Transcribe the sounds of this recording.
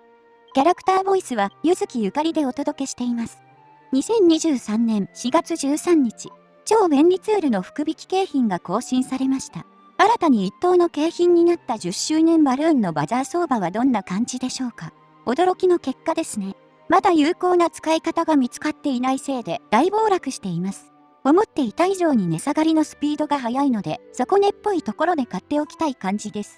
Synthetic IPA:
kʲaɾakɯ̟̥t̪aːbo̞isɨβajɯ̟zɨkʲijɯ̟kaɾʲid̪e̞o̞t̪o̞d̪o̞ke̞ɕi̥t̪e̞imasɨ̥ | ɲ̟isẽ̞ɲ̟ːiʑɨːsãnːẽ̞ɰ̃ɕiɡat͡sɨʑɨːsãɲ̟ːit͡ɕi | t͡ɕo̞ːbẽ̞nʲɾʲit͡sɨːɾɯ̟no̞ɸɯ̟̥kɯ̟bʲikʲi̥ke̞ːçĩŋɡako̞ːɕĩɰ̃saɾe̞maɕi̥t̪a̰ | aɾat̪aɲ̟iit̪ːo̞ːno̞ke̞ːçĩɲ̟ːinat̪ːaʑɨɕːɨːnẽ̞mbaɾɯ̟̃ːnːo̞bazaːso̞ːbaβ̞ad̪õ̞nːakãɲ̟d͡ʑid̪e̞ɕo̞ːka | o̞d̪o̞ɾo̞kʲino̞ke̞kːad̪e̞sɨne̞ | mad̪ajɯ̟ːko̞ːnat͡sɨ̥kaikat̪aɡamʲit͡sɨ̥kat̪ːe̞inaise̞ːd̪e̞d̪̥aibo̞ːɾakɯ̟ɕi̥t̪e̞imasɨ̥ | o̞mo̞t̪ːe̞it̪aiʑo̞ːɲ̟ine̞saɡaɾʲino̞sɨ̥pʲiːd̪o̞ɡaɦajaino̞d̪e̞so̞ko̞ne̞pːo̞it̪o̞ko̞ɾo̞d̪e̞kat̪ːe̞o̞kʲi̥t̪aikãɲ̟d͡ʑid̪e̞sɨ̥

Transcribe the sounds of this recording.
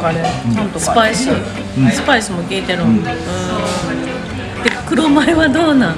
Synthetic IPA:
ãnt̪sɨ̥paisi | sɨ̥paisɨmoɡʲeːt̪eɾõɯ̃ː | d̪̥ekɯ̟ɾomaeβad̪oːna

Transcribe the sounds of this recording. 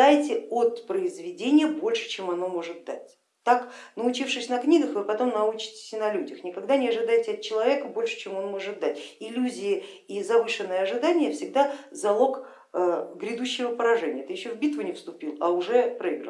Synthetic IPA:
ajtʲɪo̞t̪pɾəɪzvʲɪdʲenʲɪjəbo̞lʲʂɨ̥t͡ɕe̞mɐno̞mo̞ʐɨt̪̚d̪atʲ | t̪aknəʊt͡ɕifʂɨsʲnɐknʲiɡəxvɨpɐt̪o̞mnɐut͡ɕɪ̥tʲɪ̥sʲnɐlʲudʲɪxnʲɪkɐɡd̪anʲɪɐʐɨd̪ajtʲɪɐt̪̚t͡ɕɪlˠɐvʲe̞kəbo̞lʲʂɨ̥t͡ɕemo̞nmo̞ʐɨt̪̚d̪atʲɪlʲuzʲɪjɪ | izɐvɨʂɨnːəjəɐʐɨd̪anʲɪjəfsʲɪɡ̚d̪azɐlˠo̞k | əɡɾʲɪd̪uɕːɪvəpəɾɐʐɛnʲɪjət̪ɨjɪɕːovbʲit̪vɨnʲɪfst̪ʊpʲilˠɐʊʐɛpɾəiɡɾə̰

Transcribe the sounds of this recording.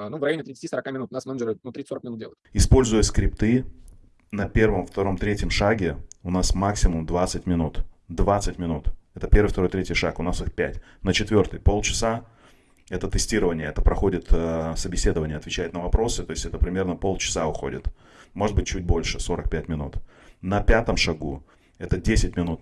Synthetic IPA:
nuvrɐjonʲɪt̪ɾʲɪt̪stʲisəɾɐkamʲɪnut̪nasmɛnəd͡ʒəɾənut̪ɾʲit̪soɾəkmʲɪnudʲelˠəɪt̪ɪspo̞lʲzʊjəskɾʲɪpt̪ɨ | nɐpʲe̞rvəmft̪ɐɾo̞mt̪ɾʲetʲjəmʂaɡʲɪʊnasmaksʲɪmʊmd̪vat̪sɨtʲmʲɪnut̪d̪vat̪sɨtʲmʲɪnut̪ɛt̪əpʲe̞rɾvɨjft̪ɐɾo̞jt̪ɾʲetʲɪjʂa̰kʊnasɨxpʲætʲ | nət͡ɕɪt̪vʲo̞rt̪ɨjpo̞lˠt͡ɕɪ̥sa | ɛt̪ət̪ɨsʲtʲiɾəvənʲɪjəɛt̪əpɾɐxo̞dʲɪt̪əsəbʲɪsʲe̞d̪əvənʲɪjəɐt̪vʲɪt͡ɕæjɪt̪nəvɐpɾo̞sɨt̪o̞ɪsʲtʲɛt̪əpɾʲɪmʲe̞rnəpo̞lˠt͡ɕɪ̥saʊxo̞̰dʲɪ̰t̪ | mo̞ʐɨt̪bɨtʲt͡ɕːʉt̚ʲbo̞lʲʂɨso̞ɾək̚pʲætʲmʲɪnṵt̪nɐpʲat̪əmʂɐɡu | ɛt̪ədʲesʲɪtʲmʲɪnut̪

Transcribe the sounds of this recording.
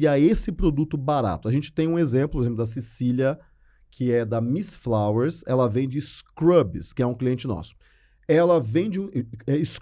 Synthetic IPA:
iaesɪpɾod̪ut̪ʊbaɾa̰t̪ʊɐʒẽnt͡ʃɪ̥t̪ẽj̃ũezẽmplʊpoezẽplʊd̪ɐs̬isiljɐ | kʰɪɛd̪ɐmisflaweɾsɛlɐvẽj̃d͡ʒɪskɾɐbɪskɪɛũkliẽnt͡ʃɪnɔ̰sʊ̥ | ɛlɐvẽj̃d͡ʒɪũɛɪs

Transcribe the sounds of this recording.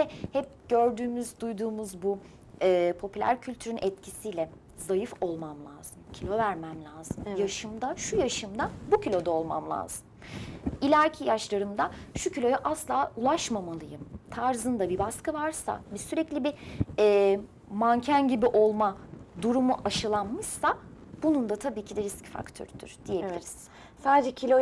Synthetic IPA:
ɛhɛp̚ɟ̥øɾd̪yːmyzd̪ujd̪uːmuzbu | ɛːpʰo̞pʰylʲæ̰ɾcʰylʲt̪ʰyɾynʔɛt̪cʰisijlʲɛ | zajɯfo̞lˠmamlˠa̰ːz̥ɯmcʰilʲo̞væɾmæmlʲaːz̥ɯmjaʃɯmd̪aʃujaʃɯmd̪abucʰilʲo̞d̪aolˠma̰mlˠa̰ːz̥ɯm | ilʲæɾcʰijaʃlˠaɾɯmd̪aʃucʰilʲo̞jaʔaslˠaːulˠaʃmamalˠɯjɯmt̪ʰaɾzɯnd̪abibaskɯvaɾsa̰bisyɾɛclʲibiɛː | mancʰænɟibiʔo̞lˠmad̪uɾumuʔaʃɯlˠanmɯʃsa | b̥unund̪at̪ʰabiːcʰid̪ɛɾisci̥fa̰kt̪ʰø̰ɾd̪̥y̰ɾ̥d̪̥ijeiiɾiz̥ | saːd̪ed͡ʒɛcʰilʲo

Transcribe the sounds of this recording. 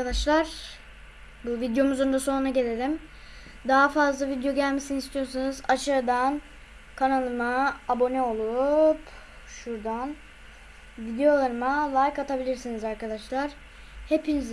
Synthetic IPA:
ad̪aʃlˠaɾ̥ | buvid̪jo̞muzond̪aso̞nunaɟe̞lʲe̞lʲim | d̪aɦafazlˠavid̪ijo̞ɟælʲmesinist̪ʰijo̞sunuzaʃɯɾd̪an | kʰanalˠɯmaːbo̞nɛo̞lˠup | ʃuɾd̪an | vid̪ejo̞lˠaɾɯmalˠajkat̪ʰabilʲiɾsinizaɾkad̪aʃlˠaɾ̥ | he̞piniz

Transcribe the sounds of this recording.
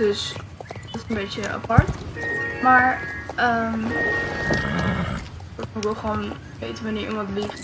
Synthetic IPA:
døs | dɪsənbejtəa̰pɑɹtmaːɹəm | bəfoɹbɪlˠχəʋon | ʋejtənʋanɪːɹʔḭmɑntlif

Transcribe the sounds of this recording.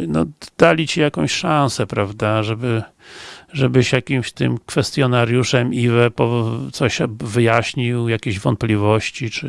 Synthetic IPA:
nɔd̪̥alʲit͡ɕijakɔ̃w̃ɕʂãñsɛpɾavd̪aʐɛbɘ | ʐɛbɘɕjakʲimɕt̪ɘ̰mkfɛst̪ʲjɔnaɾjuʂɛmivɛpɔt̪sɔɕvɘjaɕɲiwjakʲeʑvɔnt̪̚plʲivɔɕt͡ɕit͡ʂɘ

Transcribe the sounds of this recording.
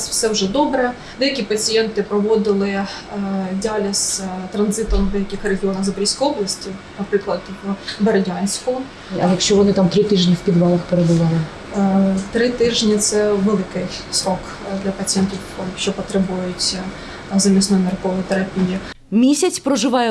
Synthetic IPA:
swsɛwʒɛd̪ɔbɾɛ | d̪ɛjɐkʲipɐt͡sʲijɛnt̪ɪpɾɔʋɔd̪ɪlˠɪ | dʲɑlʲɐst̪ɾɐnzɪt̪ɔmd̪ɛjɐkʲɪxreɦʲiɔnɐɣzɐbɾʲisʲkɔjɔblˠɐsʲtʲinɐpɾɪklˠɐd̪beɾɐdʲɑnʲsʲkʊ | ɐjɐkʃt͡ʃɔʋɔnɪt̪amt̪ɾɪt̪ɪʒnʲiwpʲid̪ʋɑlˠɐxpeɾebʊʋɑlˠɪ | t̪ɾɪt̪ɪʒnʲit̪sɛʋɛlˠɪkɪjsɾɔk | d̪lʲɐpɐt͡sʲijɛnt̪ʲiwɔʃt͡ʃɔpɔt̪ɾɛbujʊtʲ | zɐmʲisnɔjmʲɛrkɔʋɔjit̪eɾɐpʲiji | mʲisʲɐt͡sʲpɾɔʒɪʋɑjɛ

